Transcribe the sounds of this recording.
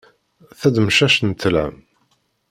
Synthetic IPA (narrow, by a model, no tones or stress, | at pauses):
θæd̪mʃæʃnt̪ːəlæ̰m